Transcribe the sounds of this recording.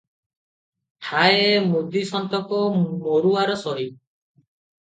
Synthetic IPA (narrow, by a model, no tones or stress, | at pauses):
ʈʰaemud̪isɔnt̪ɔkɔmoɾuaɾɔsɔɦi